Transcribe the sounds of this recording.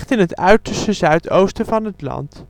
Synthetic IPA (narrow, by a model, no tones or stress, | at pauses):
χtɪnətœɥtəɹstəzœɥtowstəvɑnɦətlɑ̰nt